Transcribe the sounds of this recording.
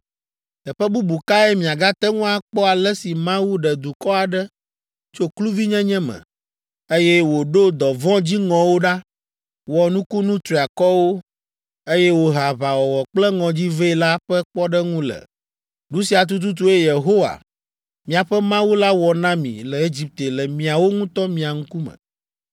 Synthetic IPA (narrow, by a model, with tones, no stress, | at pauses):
ɛ˨ɸɛ˦bu˦bu˨ka˦ɛ˦mĩ˨a˨ɡa˦t̪ɛ˦ŋũ˦a˨k͡pɔ˦a˨lɛ˦si˨mã˦wu˦ɖɛ˨d̪u˨kɔ˦a˨ɖɛ˦ | t͡ʃo˦klu˦vi˦ɲɛ̃˦ɲɛ̃˦mɛ̰̃˨ | e˦jɛ˦wo˨ɖo˦d̪ɔ˨vɔ̃˦d͡ʑi˦ŋɔ̃˨wo˦ɖa˦ | wɔ˨nũ˦ku˦nũ˦t̪ɾi˨a˨kɔ˦wo˦ | e˦jɛ˦wo˨ɦa˨βa˨wɔ˨wɔ˨k͡plɛ˦ŋɔ̃˨d͡ʑi˦ve˦i˦la˦ɸɛ˦k͡pɔ˦ɖɛ˦ŋũ˦lɛ̰˨ | ɖũ˦si˨a˨t̪̬u˦t̪̬u˦t̪̬u˦e˦je˨ɦo˦wa̰˨ | mĩ˨a˨ɸɛ˦mã˦wu˦la˦wɔ˨nã˦mḭ̃˨lɛ˨e˦d͡ʑi˦p̚t̪e˨lɛ˨mĩ˨a˨wo˦ŋũ˦t̪ɔ˦mĩ˨a˨ŋ̩̃˦ku˦mɛ̰̃˨